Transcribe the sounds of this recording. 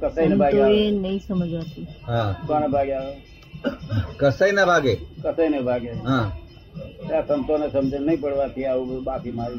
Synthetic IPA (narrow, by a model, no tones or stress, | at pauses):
kəsəinebʱaɡenəisəməd͡ʒʱbat̪ʰiɦãkɔnəbʱaɡae | kəsəinəbʱaɡekəsəinebʱaɡeɦã | sasənt̪onesəmd͡ʒʱənəjpəɽbat̪ʰiaubakima